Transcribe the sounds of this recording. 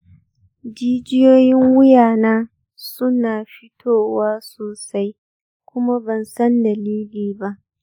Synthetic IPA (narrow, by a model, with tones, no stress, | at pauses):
d͡ʒiː˦d͡ʒɪ˦joː˦jɪ˦ŋwʊ˦jaː˨naː˦ | sʊ˦naː˨ɸɪ˦tʰoː˦waː˦soː˨sa˦j | kʷʊ˦ma˦bɐ˨nsɐ˦ndɐ˨liː˦liː˨ba˦ʔ